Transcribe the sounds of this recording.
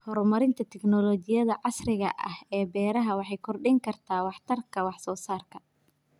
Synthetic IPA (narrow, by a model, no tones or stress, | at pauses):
hɔɾmɐɾɪnt̪ʰɐt̪ʰɛɡnɔlɔt͡ʃɪjɐðɐʕɑsrɪɣɐ̰ʔɐ̰hɛːbɛːɾɐɦɐwɑħɑjkʰɔrɖɪŋkʰɐrt̪ʰaːwɑħt̪ʰɐrkʰɐwɑħsɔːsaːrkʰɐ̥